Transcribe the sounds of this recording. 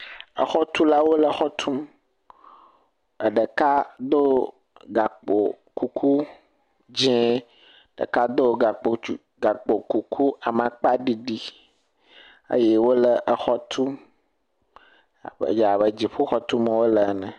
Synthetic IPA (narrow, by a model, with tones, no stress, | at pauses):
ə̰˨xɔ˦t̪u˦la˦wo˦lə˨xɔ˦t̪ʰu˦m | ə˨ɖə˨ka˦d̪o˦ | ɡa˨k͡po̰˨ | ku˦kʰu˦ | d͡ʒɛ̃˦˨ | ɖə̰˨ka˦d̪o˦ɡa˨k͡po˨˦ | ɡa˨k͡po˨ku˨kʰu˦a˨mã˨k͡pa˦ɖi˦ɖi˦ | ə̰˦je˦wo˦lə˨ʔə˨xɔ˦t̪ʰu˦˨ | bə̰˨d͡ʒa˨βə˨d͡ʑi˨ɸu˦xɔ˦t̪u˦mə˦wo˦lə˨˦nə̃˨